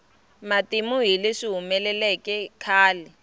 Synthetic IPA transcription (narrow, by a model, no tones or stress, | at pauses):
matimuɦileʂiɦumɛlɛlɛkʼɛkʰaːlɛ